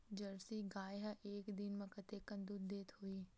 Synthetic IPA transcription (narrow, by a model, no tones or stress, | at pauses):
d͡ʒɐɾsiɡaːjeɦɐʔeːkd̪inmɐ̃kɐt̪ekɐ̃nd̪uːd̪d̪eːt̪ɦuiː